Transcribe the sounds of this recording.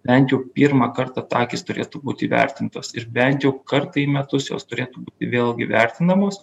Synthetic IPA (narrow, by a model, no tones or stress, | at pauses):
bʲɛnt̪jɛʊpʲiːɾmɐkɐɾt̪ɑt̪ɑːkʲɪst̪ʊɾʲeːt̪uːbuːt̪ʲɪːʋʲɛ̰ɾʲt̪ʲɪnt̪oːsɪɾbʲɛnt̪jɛʊkɐrt̪ɐiːmʲɛt̪ʊsjo̰ːst̪ʊɾʲeːt̪uːbuːt̪ʲɪʋʲeːlˠɡʲɪʋʲɛɾʲt̪ʲɪnd̪ɐmoːs